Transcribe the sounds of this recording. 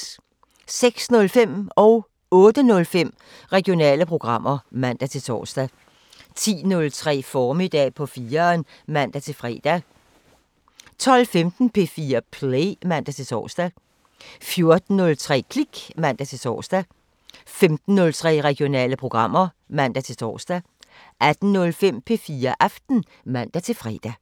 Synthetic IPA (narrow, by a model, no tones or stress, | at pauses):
seɡ̥snɔ̽lfem̰ɒ̽ʊ | ɔ̽ːd̥ənɔ̽lfem̰ | ʁɛɡ̥jo̝nɛ̰ːləpʰʁo̝ɡ̥ʁɑ̈m̰ɐmæn̰d̥æt͡sʰe̝t͡sʰɒ̰ːsd̥æ | t͡sʰḭːnɔ̽lt͡sʰʁɛ̰ːfɒːmid̥ɛ̰pʰɒ̽fiːɐːn | mæn̰d̥æt͡sʰe̝lfʁɛ̰ːd̥æ | t͡sʰɒ̽l̰femd̥n̩pʰe̝fiːɐpʰlemæn̰d̥æt͡sʰe̝t͡sʰɒ̰ːsd̥æ | fjo̝ɐd̥n̩nɔ̽lt͡sʰʁɛ̰ːkʰliɡ̥mæn̰d̥æt͡sʰe̝t͡sʰɒ̰ːsd̥æ | femd̥n̩ːɔ̽lt͡sʰʁɛ̰ːʁɛɡ̥ijo̝nɛ̰ːləpʰʁo̝ɡ̥ʁɑ̈m̰ɐ | mæn̰d̥æt͡sʰe̝t͡sʰɒ̰ːsd̥æ | ʔæd̥n̩nɔ̽lfem̰pʰe̝fiːɐʔɑfd̥n̩ | mæn̰d̥æt͡sʰe̝lfʁɛ̰ːd̥æ